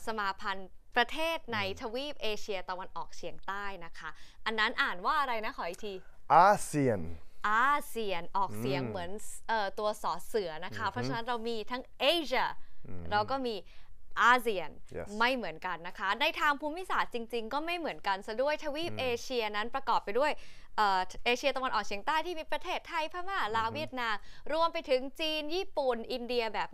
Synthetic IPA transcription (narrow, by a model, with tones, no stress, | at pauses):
sa˧maː˨˧pʰa˧npɾa˧t̪ʰeː˥˩t̪̚na˧jt̪ʰa˧wiː˥˩p̚ʔeː˧t͡ɕʰi˧ɐt̪a˧wa˧nʔɔː˨˩k̚t͡ɕʰi˨˩˦əŋt̪aː˥˩jna˦˥kʰa˦˥ʔa˧nːa˦˥nʔaː˨˩nwaː˥˩ʔa˧ɾa˧jna˦˥kʰɔ˩˦ʔi˨˩t̪ʰiː˧ | ʔaː˧si˧˩ənʔaː˧si˧˩ənʔɔː˨˩k̚si˩˦əŋmɯ˩˦ənʔɤː˨˩t̪u˧ɐsɔː˩˦sɯ˩˦ɐna˦˥kʰa˦˥pʰɾɔ˦˥t͡ɕʰa˧na˦˥nɾa˧wmiː˧t̪ʰa˦˥ŋʔe˧˥ɕa˧˩ɾa˧wkɔː˥˩miː˧ʔaː˧si˨˩ənma˥˩jmɯ˩˦ənka˧nːa˦˥kʰa˦˥na˧jt̪ʰaː˧ŋpʰuː˧˥mi˦˥˨saː˨˩t̪̚t͡ɕi˧ŋt͡ɕi˧ŋkɔː˥˩ma˥˩jmɯ˩˦ənka˧nsa˨˩du˥˩əjt̪ʰa˧wiː˦˥˩p̚ʔeː˧t͡ɕʰi˧ɐna˦˥npɾa˧kɔː˨˩p̚ːa˧jdu˥˩əj | ʔɤː˨˩ʔeː˧t͡ɕʰi˧ɐt̪a˧wa˧nʔɔː˨˩k̚t͡ɕi˩˦əŋt̪aː˥˩jt̪ʰiː˥˩miː˧˩pɾa˧t̪ʰeː˥˩t̪ʰːa˧jpʰaː˥˩maː˥˩laː˧˥wi˥˩ət̪̚naː˧mɾu˧əmpa˧jt̪ʰɯ˩˦ŋt͡ɕiː˧njiː˥˩pu˨˩nʔi˧ndi˧ɐbɛː˨˩p̚